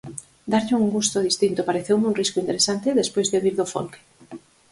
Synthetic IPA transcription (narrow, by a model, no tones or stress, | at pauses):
d̪aɾʎɪuŋɡust̪ʊðist̪int̪opaɾeθewmuŋriskʊint̪eɾesant̪eðespojzðoβɾiɾðofo̰lke̥